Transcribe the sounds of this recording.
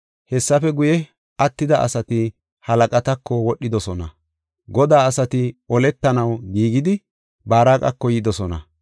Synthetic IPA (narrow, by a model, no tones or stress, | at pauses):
hɛsːɐfɛɡʊjɛ | ɐt̪ːɪd̪ɐʔɐ̰sɐt̪ɪ | hɐlɐkʼɐt̪ɐkːɔwɔɗːɪd̪ɔsɔnɐ | ɡɔd̪aːɐsɐt̪ɪɔlɛt̪ːɐnɐwɡiːɡɪd̪ɪ | baːɾaːkʼɐ̰kːɔjɪd̪ɔsɔnɐ